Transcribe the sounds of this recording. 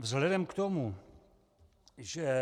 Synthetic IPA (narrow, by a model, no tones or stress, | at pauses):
vzɦlɛdɛmkt̪omu | ʒɛ